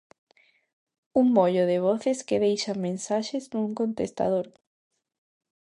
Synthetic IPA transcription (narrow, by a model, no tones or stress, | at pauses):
uŋmoʎoðɪβ̞ɔθeskeðejʃamẽnsaʃeznuŋkont̪est̪a̰ðoɾ